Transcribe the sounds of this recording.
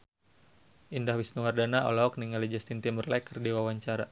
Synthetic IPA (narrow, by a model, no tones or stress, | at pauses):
ʔindahwisnuwardanaʔɔ̰lɔɔk̚niŋalid͡ʒast̪int̪imbərlakərdiwawaɲt͡ʃaɾa